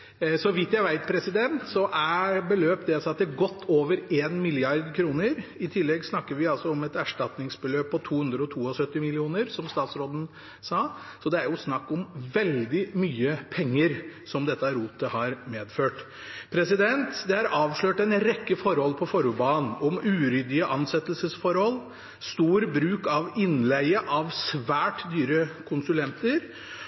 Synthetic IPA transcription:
sɔʋɪt̪jæɪʋæɪt̪̚pʰɾɛsɪd̪ɛnt̪sɔʔæɾbəløːpd̪ɛsɑt̪̚d̪ɛɡɔt̪ːoːʋəɾeːnmɪlɪjɑɾd̪kʰɾuːnəɾɪt̪ʰɪlːɛɡsnɑkːəɾʋɪɑlsɔɔmɛt̪æʂʈɑt̪nɪŋsbəløːpʰːɔt̪ʰuːhʉnd̪ɾəɔt̪ʰuːɔsœt̪ːɪmɪlɪuːnəɾsɔmst̪ɑːt̪sɾoːd̪n̩ | sɑː | sɔd̪ɛæɾjʊsnɑkːɔmʋɛld̪ɪmyːəpʰɛŋːəɾsɔmd̪ɛt̪ːəɾuːt̪əhɑɾmeːd̪føːʈ | pʰɾɛsɪd̪ɛnt̪d̪ɛhæɾʔɑːʋʂɭøːʈɛɪnɾɛkːəfɔɾhɔlpʰɔfɔɾʊbɑːnɔmʉːɾʏd̪ɪəʔɑnsɛt̪ːəlsəsfɔɾhɔlː | st̪uːɾbɾʉːkɑʋɪnlæɪəʔɑʋsʋæːʈd̪yːɾəkʰʊnsʉlɛnt̪əɾ

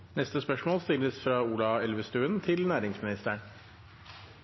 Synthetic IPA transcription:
nɛst̪əspœʂmoːlst̪ɪlːəsfɾɑːuːlɑɛlʋəst̪ʉːənt̪ʰɪlnæːɾɪŋsmɪnɪst̪əɳ

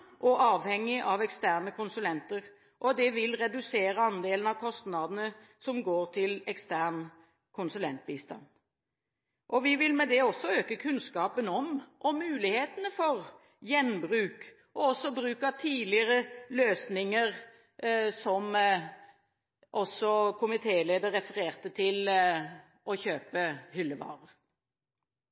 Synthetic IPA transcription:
ʔɔʔɑːʋhɛŋːɪʔɑʋɛkst̪æːʁnəkʰʊnsʉlɛnt̪əɾ | ʔɔd̪ɛʋɪlɾɛd̪ʉseːɾəɑnd̪eːlənɑʋkʰɔst̪nɑd̪ənə | sɔmɡoːɾt̪ʰɪlɛkst̪æːn | kʰʊnsʉlɛnt̪̚biːst̪ɑ̰n | ʔɔʋɪʋɪlmɛd̪ɛɔsːɔøːkəkʰʉnskɑːpənɔmʔɔmʉːlɪheːt̪ənəfɔɾ | jɛnbʁʉːk | ʔɔɔsːɔbɾʉːkɑt̪ʰiːlɪəɾəløːsnɪŋəɾ | sɔm | ʔɔsːɔkʰʊmɪt̪ʰeːleːd̪əɾːɛfəɾeːʁt̪ət̪ʰɪl | ʔɔçøːpəhʏlːəʋɑ̰ːɾəʁ

